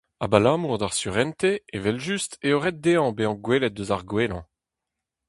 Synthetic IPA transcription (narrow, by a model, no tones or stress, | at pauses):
abalãːmuʁd̪aʁsyʁɛnt̪eevɛlʒysteoʁɛt̚d̪eːɑ̃beɑ̃ɡwelɛt̪̚døzaʁɡweːlɑ̰̃